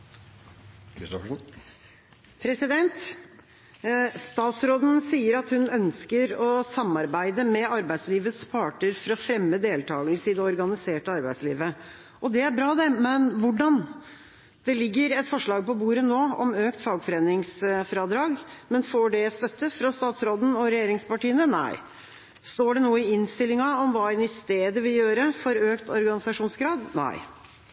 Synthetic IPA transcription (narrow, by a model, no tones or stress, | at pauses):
kɪst̪ɔ | pʰɾɛsɪd̪ɛnt̪ | st̪ɑːt̪sɾoːd̪n̩siːəɾɑt̪hʉnœnskəɾɔsɑmːɑɾbæɪd̪əmɛɑɾbæɪsliːʋəspʰɑːʈəɾfɔɾɔfɾɛmːəd̪eːlt̪ʰɑːɡəlsəɪd̪ɛɔɾɡɑnɪseːʈəɑɾbæɪsliːʋə | ʔɔd̪ɛæɾbɾɑːd̪ɛmɛnʋʊɖɑn | d̪̥ɛlɪɡːəɾɛt̪fɔʂɭɑːɡ̚pɔbuːɾənoːɔ̰møːkt̪fɑːɡfɔɾeːnɪŋsfɾɑːd̪ɾɑːɡmɛnfoːɖɛst̪œt̪ːəfɾɑst̪ɑːt̪sɾoːd̪n̩ɔɾɛjeːɾɪŋspɑʈiːənənæ̰ɪ | st̪oːɖɛnuːəɪɪnst̪ɪlːɪŋɑɔmʋɑːɛnɪst̪eːd̪əʋɪljøːɾəfɔɾøːkt̪ɔɾɡɑnɪsɑʂuːnsɡɾɑːd̪næ̰ɪ